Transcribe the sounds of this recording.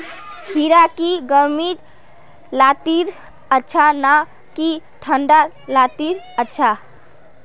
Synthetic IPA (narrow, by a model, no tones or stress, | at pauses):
hiɾakiɡəɾmid͡ʒ | lat̪iɾ | ətːt͡ʃʰana | kiʈʰəɳɖa | lat̪iɾ | ətːt͡ʃʰa